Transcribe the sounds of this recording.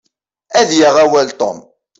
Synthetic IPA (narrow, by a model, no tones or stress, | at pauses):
æðjaʁæwælt̪ˤɔ̰m